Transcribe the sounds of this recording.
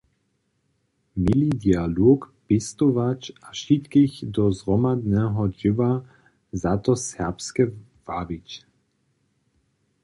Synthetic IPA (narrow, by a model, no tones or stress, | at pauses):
milid̪ialoːk | pɪst̪ovat͡ʃaʃit̪kiçd̪ɔzʁɔmad̪nɛɦɔd͡ʒɪva | zat̪ɔsɛpskɛ | v̥avit͡ʃ